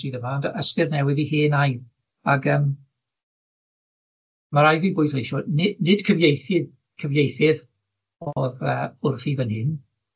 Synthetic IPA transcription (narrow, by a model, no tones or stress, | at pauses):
iðəvaːndəskɪrnɛwɪðihɪːnaj | aɡəːm | maɾajviːbʊjθlejʃɔnɪnɪd̥kʰəvjejθɪ | kʰəvjejθɪð | ɔðəʊrfivənhɪn